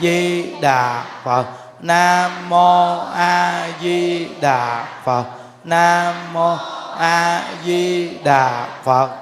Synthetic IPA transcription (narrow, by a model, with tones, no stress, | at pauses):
zi˧ɗaː˨˩fə˨˩t̚ | naː˧mo˧ʔaː˧zi˧ɗaː˧˨˩fə˨˩t̚ | naː˧mo˧ʔaː˧zi˧ɗa̰ː˨˩fə˨˩t̚